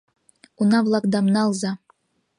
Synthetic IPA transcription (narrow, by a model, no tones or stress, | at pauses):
unɑvlˠɑkd̪ɑmnɑːlˠzɑ